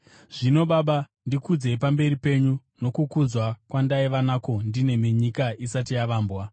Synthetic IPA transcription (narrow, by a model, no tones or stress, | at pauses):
ʐ̥ino̞ɓaɓa | ndikud͡ze̞pambe̞ripe̞ɲu | no̞kukud͡zwakwandaiʋanako̞ndine̞meɲikaisatijaʋaːmbwa